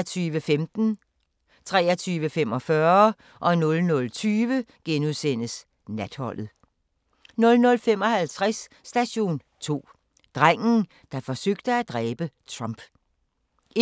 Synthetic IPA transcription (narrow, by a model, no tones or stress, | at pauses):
t͡sʰyːʋəfemd̥n̩ | t͡sʰʁɛ̰ːɐt͡sʰyːʋəfemɒ̽fɶɐ | ʔɒ̽nɔ̽lnɔ̽lt͡sʰyːʋəɡ̥enuðˠsen̰əs | næd̥hɒ̽l̰ð̩ˠ | nɔ̽lnɔ̽lfem̰ɒ̽hælt͡sʰʁasː | d̥æɕo̝̰ːn | t͡sʰo̝̰ː | d̥ʁaŋ̰n̩ | d̥ɑ̈fɒ̽søɡ̥̚d̥əæd̥ʁɛːb̥ət͡sʰʁɑ̈mb̥